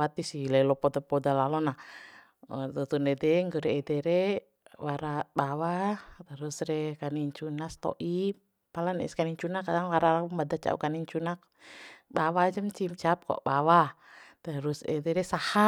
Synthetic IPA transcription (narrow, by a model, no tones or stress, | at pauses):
at̪isilɛilɔpɔdapɔdalalɔna | t̪ut̪unɛdɛŋɡəɾɛːdɛɾɛ | waɾabawat̪əɾusɾɛkaniɲt͡ʃunast̪ɔ̰ʔi | palanɛ̰skaniɲt͡ʃunakadaŋwaɾalakuŋbadat͡ʃa̰ṵkaniɲt͡ʃunak̚ | bawad͡ʒəmt͡ʃimt͡ʃap̚kɔ̰ʔbawa | t̪əɾusɛ̰dɛɾɛsaha